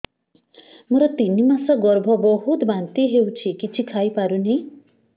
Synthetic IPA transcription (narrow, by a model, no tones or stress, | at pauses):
muɾʌt̪inimasʌɡɔɾbʱʌbɔɦut̪bant̪iɦewt͡sʰikit͡sʰikʰajpaɾuni